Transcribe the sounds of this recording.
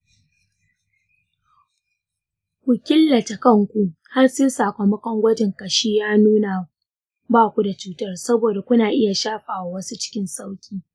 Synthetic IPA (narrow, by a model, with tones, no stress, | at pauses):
kʷʊ˨kʲɪ˦lːɐ˨ta˨kɐ˦˨ŋkʷu˦ha˦rsɪ˦nsaː˨kʷɐ˨mɐ˦kɔ˦ŋɡʷɐ˦d͡ʒɪ˨ŋkɐ˨ʃi˦jaː˦nuː˦na˨ | baː˦kʷu˦da˨t͡ʃuː˦tɐ˦rsɐ˦boː˨da˨kʷʊ˦naː˨ʔɪ˦ja˨ʃaː˦ɸaː˨wa˦wɐ˦su˦t͡ʃɪ̥˦kʲɪ˦nsa˦wkʲiː˦